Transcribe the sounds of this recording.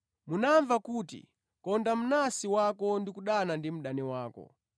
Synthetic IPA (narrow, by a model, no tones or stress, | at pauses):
munaɱvakuːtḭ | kɔndam̩nasiwakɔndikuɗanandim̩ɗanɛwaːkɔ̰